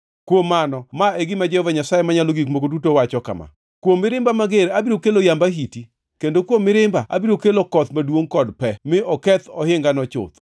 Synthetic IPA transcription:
kwomːanɔmaeɡɪmad͡ʒɛhɔvaɲasajemaɲaloɡikmokodutowat͡ʃɔka̰ma̰ | kwomːɪɾɪmbamaɡeɾabiɾokelojambaɦiti | kendokwomːɪɾɪmbaʔa̰biɾokelokɔt̪madwoŋkɔdpɛmɪʔɔkɛt̪ɔɦɪŋɡanɔt͡ʃʊ̰t̪

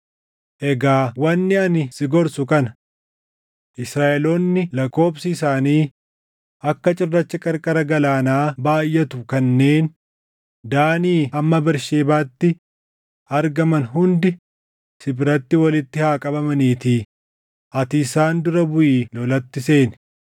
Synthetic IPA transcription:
ʔɛɡaːwɐnːɪɐnɪsɪɡɔɾsʊkɐnɐ | ʔɪsɾaːʔɛloːnːɪlɐko̞ːbsɪːsaːniː | ʔɐkːɐt͡ʃʼɪrːɐt͡ʃːɐkʼɐɾkʼɐɾɐɡɐlaːnaːbaːjːɛt̪ʊkɐnːe̞ːn | d̪aːniːɐmːɐbɪɾʃeːbaːt̪ːɪ | ɐɾɡɐmɐnɦʊnd̪ɪ | sɪbɾɐt̪ːɪwɐlɪt̪ːɪhaːkʼɐbɐmɐniːt̪iː | ʔɐt̪ɪːsaːnd̪ʊɾɐbʊʔiːlɔlɐt̪ːɪse̞ːn

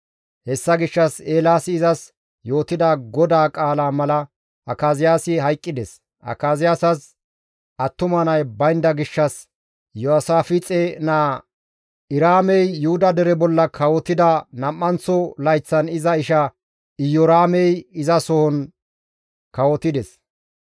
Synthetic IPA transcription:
hɛsːɐɡɪʃːɐseːlaːsɪɪzɐs | jo̞ːt̪ːɪd̪aɡɔd̪aːkʼaːlaːmɐlɐ | ʔɐkaːzɪjaːsɪɦɐjkʼːɪd̪ɛs | ʔɐ̰kaːzɪjaːsɐs | ɐt̪ːʊmɐnɐjbɐjnd̪ɐɡɪʃːɐs | jɔɐsaːfɪt͡sʼeːnaː | ɪɾaːmɛjːʊhʊd̪ɐd̪ɛɾɛbɔlːɐkʰɐwɔt̪ɪd̪ɐnɐmːɐnt͡sːɔlɐjt͡sːɐnɪzɐɪʃɐ | ɪjɔɾaːmɛjɪzɐsɔhɔn | kɐwɔt̪ɪd̪ɛs

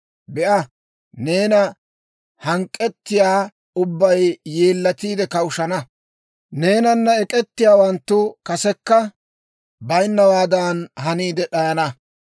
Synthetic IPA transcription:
bɛʔɐ | ne̞ːnɐ | hɐŋkʼːɛt̪ːɪjaː | ʊbːɐjːe̞ːlːɐt̪iːd̪ɛkɐʊʃɐnɐ | ne̞ːnɐnːɐɛkʼɛt̪ːɪjaːwɐnt̪ːʊkɐsɛkːɐ | bɐjnːɐwaːd̪aːnɦɐniːd̪ɛɗɐjɐnɐ

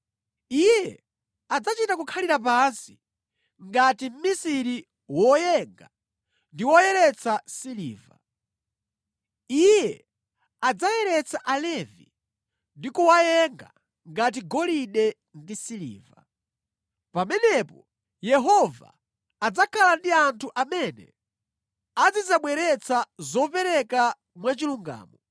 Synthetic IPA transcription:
ijɛ | ad͡zat͡ʃitakukʰaliɾapansi̥ | ŋɡatim̩misiɾi | wɔjɛŋɡa | ndiwɔjɛɾɛt͡sʰasilḭːva̰ | ijɛ | ad͡zajɛɾɛt͡sʰaʔalɛvi | ndikuwajɛŋɡa̰ | ŋɡat̬iɡɔliɗɛ | ndisilḭːva | pamɛnɛpɔ | jɛɦɔva̰ː | d͡zakʰalandiantʰuʔamɛnɛ̰ | ad͡zid͡zaɓwɛɾɛt͡sʰazɔpɛɾɛka | mwat͡ʃiluŋɡa̰ːmɔ

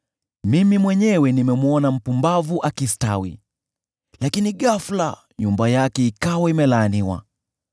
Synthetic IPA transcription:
mimimwɛɲɛwɛnimɛmuɔnam̩pumbavuʔakistawḭ | lakiniɠafla̰ | ɲumbajakɛikawaimɛlaːniwa̰

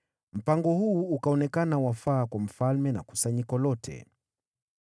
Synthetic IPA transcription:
m̩paŋɡɔhuːkaɔnɛkanawafaːkwam̩falmɛna̰ku̥saɲikɔlɔtʰɛ̰

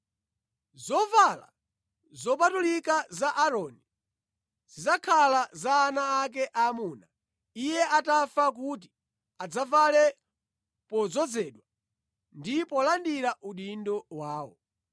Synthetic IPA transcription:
zɔvala̰ | zɔpatulikazaʔaɾɔni | z̥izakʰalazaːnaːk̬ɛʔamuːna | ijɛʔatafak̬ut̬i̥ | ad͡zavalɛ | pɔzɔd͡zɛɗwa | ndipɔlandiɾaʔuɗindɔwaːwɔ̰

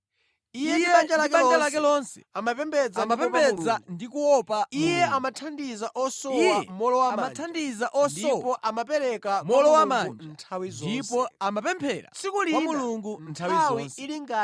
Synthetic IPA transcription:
ijɛiɛand͡ʒalakɛand͡ʒalakɛlɔnsɛ̥̰amapɛmbɛd͡zamapɛmpɛd͡zandikuwɔpaijɛamatʰandizaʔɔsɔwamɔlɔwammatʰandizaʔɔsdɔpɔʔamapɛɾɛkamɔlɔwamantʰawizɔdipɔamapɛmpʰɛːɾa̰sikuliwamuluŋɡun̩tʰawiawiiliŋɡa

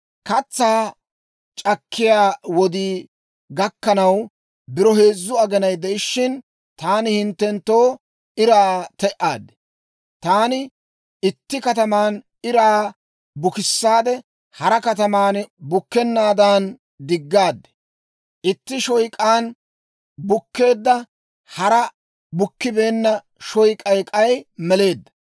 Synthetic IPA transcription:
kɐt͡sːaː | t͡ʃʼɐkʰːɪjaːwɔd̪iː | ɡɐkːɐnɐw | bɪɾɔhe̞ːzːʊɐɡɛnɐjd̪ɛʔɪʃːɪn | t̪aːnɪhɪnt̪ːɛnt̪ːoː | ɪɾaːt̪ɛʔaːd̪ɛ | t̪aːnɪ | ʔɪt̪ːɪkɐt̪ɐmaːn | ɪɾaː | bʊkɪsːaːd̪ɛ | hɐɾɐkɐt̪ɐmaːnbʊkːɛnːaːd̪aːn | d̪ɪɡːaːd̪ɛ̥ | ʔɪt̪ːɪʃɔjkʼaːn | bʊkːe̞ːd̪ːɐ | hɐɾɐ | bʊkːɪbe̞ːnːɐ | ʃɔjkʼɐjkʼɐjmɛle̞ːd̪ːɐ̥

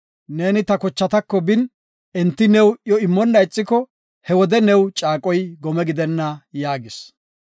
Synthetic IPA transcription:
ne̞ːnɪt̪ɐkɔt͡ʃːɐt̪ɐkːɔbɪn | ɛnt̪ːɪnɛwjɔɪmːɔnːɐjt͡sʼːɪkɔ | hɛwɔd̪ɛnɛwt͡ʃʼaːkʼɔjɡɔmɛɡɪd̪ɛnːɐjaːɡɪs

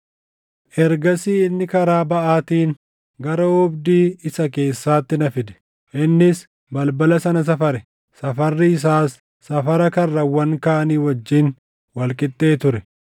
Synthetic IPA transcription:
ʔɛɾɡɐsiːɪnːɪkɐɾaːbɐʔaːt̪iːn | ɡɐɾɐɔbd̪iːɪsɐk̬e̞ːsːaːt̪ːɪnɐfɪd̪ɛ̥ | ʔɪnːɪs | bɐlbɐlɐsɐnɐs̬ɐfɐɾɛ | sɐfɐrːɪɪs̬aːsː | ɐfɐɾɐkɐrːɐwːɐŋkaːɐniːwɐd͡ʒːɪn | wɐlkʼɪt̪ʼːe̞ːt̪ʊɾɛ

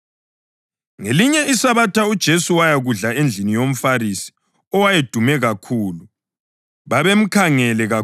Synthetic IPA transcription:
ŋeliɲɛisaβatʰaud̥ʒ̥ʱesuwajaɣuɮaend͡ɮʱinijom̩farisi̥ | ɔwajed̥ʱumɛɣakʰuːlu | βaβem̩kʰaŋɛlɛɣa

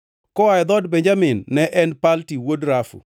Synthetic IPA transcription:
kɔajd̪ɔdbeɲd͡ʒamɪnːɛʔɛnpaltiwodɾafṵ

